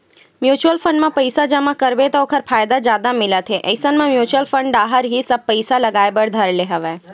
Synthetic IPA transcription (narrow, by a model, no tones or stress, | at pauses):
mjut͡ʃuəlfʰə̃ɳɖmãpəjsad͡ʒəmãkəɾbet̪ookʰəɾpʰaːjd̪ad͡ʒjaːd̪amɪlat̪ʰeʔə̰ɪsənmãmjuːt͡ʃuəlfʰə̃ɳɖɖaɦəɾɦisəb̚pəɪsaləɡajbəɽd̪ʱəɾleɦəʋe